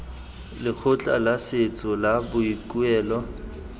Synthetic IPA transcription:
lɪk͡xʰʊt͡ɬʼa̰laset͡sʼɔlabʊikʼuɛːlɔ

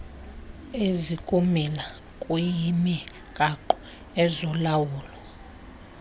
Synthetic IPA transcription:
ezikʼumila | kʼujimi | kʼaǃɔ̥ | ɛzɔlawuːlɔ

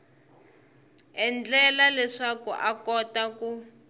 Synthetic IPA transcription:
ɛnd͡ɮɛlalɛʂakṵʔakɔtaku

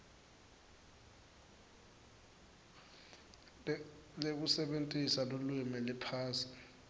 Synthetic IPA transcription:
lek̬usɛɓentʼisalulwimɛlɛpʰaːsi̥

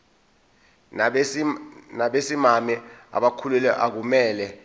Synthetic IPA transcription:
naɓesimamɛa̰ɓakʰulɛlɛʔak̬umɛːlɛ

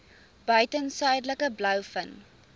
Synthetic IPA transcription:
b̥œɥtənsœɥdləkəblœwfən

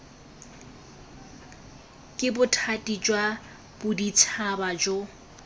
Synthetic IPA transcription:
kʼɪbʊtʰatʼid͡ʒwa | b̥ʊdit͡sʰabad͡ʒo

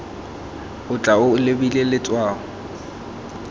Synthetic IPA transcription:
ʊt͡ɬʼaʊlɪbilelɪt͡sʼwaːɔ

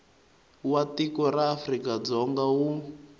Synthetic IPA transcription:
watikɔɾaːfrikad͡zɔŋɡawu

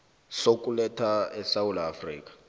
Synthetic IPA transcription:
sok̬ʼulɛtʰaɛsawulaafriːk̬ʼḁ

